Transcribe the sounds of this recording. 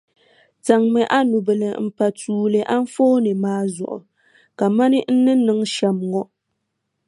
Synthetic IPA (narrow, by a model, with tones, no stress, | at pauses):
ta˨ŋmɨ˨ʔa˦nu˨bɨ˨lɨ̰˨m̩˨pa˨tʰuː˨lɨ˨ʔa˦n˦foː˦nɨ˨maː˦zʊ̰˨ʔʊ̰˨ | ka˨ma˦nɨ˦n̩˦nɨ˦nɨ˦ŋʃɛ˨mŋɔ˦